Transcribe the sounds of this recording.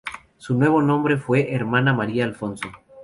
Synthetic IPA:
sunwe̞βo̞nõmbɾe̞fwe̞ʔeɾmãnamaɾiaːlfo̞nso̞

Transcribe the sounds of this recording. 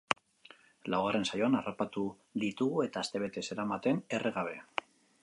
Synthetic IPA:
lawɣare̞nsajo̞anarapat̪u | ðit̪uɣue̞t̪aːst̪e̞βe̞t̪e̞se̞ɾamat̪e̞nereɣaβ̞e̞

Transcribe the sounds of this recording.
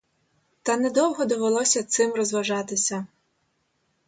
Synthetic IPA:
t̪ɐnɛd̪ɔwɦɔd̪ɔʋelˠɔsʲɐt̪sɪmrɔzʋɐʒɑt̪ɪsʲɐ

